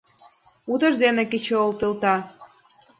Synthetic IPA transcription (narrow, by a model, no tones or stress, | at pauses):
ut̪əʒd̪eneket͡ɕoolpilt̪ɑ